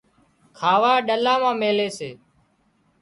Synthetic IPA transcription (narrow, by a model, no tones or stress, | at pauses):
kʰaːʋaːɗəlãːmãːmeːleːseː